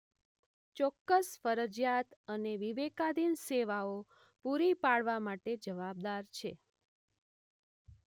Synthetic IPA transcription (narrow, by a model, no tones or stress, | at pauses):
t͡ʃɔkːəsfəɾəd͡ʒjat̪əneʋiʋekad̪ʱinseʋao | puɾipaɭʋamaʈed͡ʒəʋab̚d̪aɾt͡ʃʰe